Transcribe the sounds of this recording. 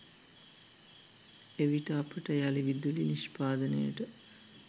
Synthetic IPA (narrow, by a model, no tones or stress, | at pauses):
eʋiʈəapəʈəjaliʋid̪ːuliniʃpaːd̪ənəjə̰ʈə